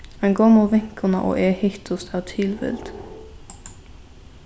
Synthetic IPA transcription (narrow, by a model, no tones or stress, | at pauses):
mɛnɡoːmuʋɪŋkənə̰ʔo̰ːʔeːhɪt̪ʰʊst̪ʰæːt̪ʰɪlʋɪ̰ld̪̥